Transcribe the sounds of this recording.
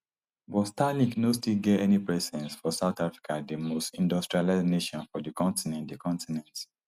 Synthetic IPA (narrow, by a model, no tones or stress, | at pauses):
bɔstaniknostilɡɛtɛnipɹɛsɛ̃nsfɔsaʊtafɹi̥kʰadəmostĩndɔstɹialaneʃɔ̃nfɔdikɔ̃ntinɛ̃ndəkʰɔ̃ntinɛ̃nt